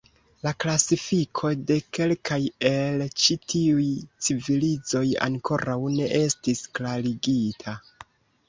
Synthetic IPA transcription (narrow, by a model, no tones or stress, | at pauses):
laklasifikʰo̞de̞ke̞lkʰaje̞lt͡ʃitʰiujt͡sivilizo̞ja̰ŋkʰo̞ɾawne̞ʔe̞stisklaɾiɡitʰa